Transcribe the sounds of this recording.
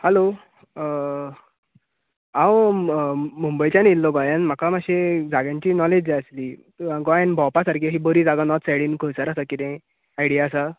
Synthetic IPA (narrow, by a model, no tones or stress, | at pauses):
hɛlo | ãw | mumbəjt͡ɕanilːɔɡɔjãnm̤akamaɕed͡zaɡjãɲt͡ɕiːnɔled͡ʑd͡ʑeəsliː | ɡɔjanbʱɔwpasaɾkeɦibəɾiːd͡zaɡanɔt̪sɛɽiːnkʰəɭsaɾasakit̪ẽ | ajɽijaːsa